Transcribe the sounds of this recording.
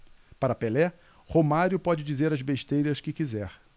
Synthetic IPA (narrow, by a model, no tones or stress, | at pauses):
paɾɐpelɛ | homaɾjʊpɔd͡ʒɪd͡ʒizeɾɐzbeʃt̪ejɾɐskɪkizɛɾ